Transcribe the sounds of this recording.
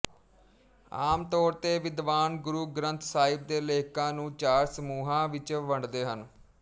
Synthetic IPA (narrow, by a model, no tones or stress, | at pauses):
a̰ːmt̪ɔːɾt̪eːʋɪd̪ʋaːnɡʊɾuːɡɾə̃nt̪ʰsaːɪb̚d̪eːleːkãːnũːt͡ʃaːɾsəmuːɦãːʋɪt͡ʃʋəɳɖd̪eːɦən